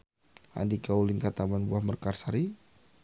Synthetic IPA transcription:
a̰ndikaulinkat̪amanbuahmərkarsaɾi

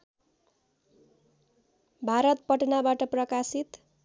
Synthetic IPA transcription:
bʱaɾʌt̪̚pʌʈnabaʈʌprʌkasit̪

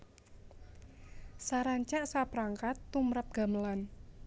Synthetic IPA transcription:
saɾaɲt͡ʃaʔsapɾaŋkat̪ːumɾap̚ɡ̥a̤məlan

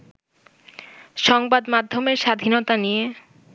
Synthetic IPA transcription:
ʃɔŋbad̪mad̪ʱːomeɾʃad̪ʱinot̪anije

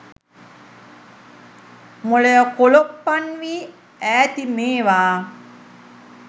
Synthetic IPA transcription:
moɭejəkolopːanʋiː | æːt̪imeːʋaː

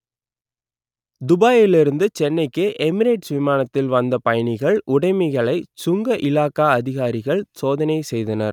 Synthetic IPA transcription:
d̪ʊbaːjɪlɪɾɯnd̪ɯt͡ʃɛnːɐɪkːɯʔɛmɪɾeːʈsʋɪmaːnɐt̪ːɪlʋɐnd̪ɐpɐjɐɳɪɣɐɭʔʊɽɐɪmɐɣɐɭɐɪsʊŋɡɐʔɪlaːkaːɐðɪɣaːɾɪɣɐɭsoːðɐnɐɪsɛjðɐnɐɾ

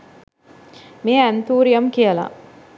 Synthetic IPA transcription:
meːænt̪uːɾijɐmkijəla̰

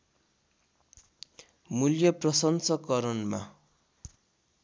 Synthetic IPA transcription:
muljʌprʌsʌnsʌkʌɾʌnma̰

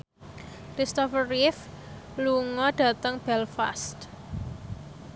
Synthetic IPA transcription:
kɾist̪ɔfərif | luŋɔɖ̥a̤t̪əŋb̥ɛlfa̰st̪

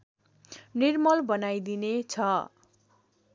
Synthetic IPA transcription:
nirmʌlbʌnajd̪inet͡sʰʌ

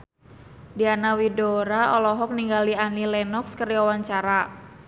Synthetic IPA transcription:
dianawidoɾaɔlɔɦɔk̚niŋɡalianilɛnɔkskəɾiɔwaɲt͡ʃaɾa

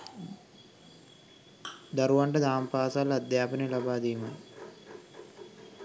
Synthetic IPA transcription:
d̪aɾuʋaɳʈəd̪aːmpaːsalad̪jaːpənelabaːd̪iːmə

